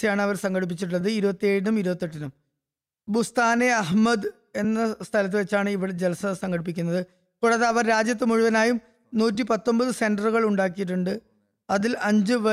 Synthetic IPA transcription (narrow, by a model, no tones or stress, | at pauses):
sɐjaːɳɨɐʋɐɾsɐŋɡɐɽip̬ːit͡ɕːiʈ̬ːuɭːɐðɨiɾubɐt̪ːieːɻnɐmiɾubɐt̪ːeʈːɐnɐm | bust̪ʰaːneɐɦmɐd̪ | e̞nːɐst̪ʰɐlɐt̪ːɨʋet͡ɕːaːɳɨiʋiɽed͡ʑelɐsɐsɐŋɡɐɽip̬ːikʲːunːɐðɨ | kuːɻaːðeɐʋɐrɾaːd͡ʑjɐt̪ːɨmuɻuʋɐnaːjum | nuːtːipɐt̪ːo̞mbɐðɨse̞ndɐrɣɐɭuɳɖaːk̬ːijiʈ̬ːuɳɖɨ | ɐðilɐɲd͡ʑɨʋɐ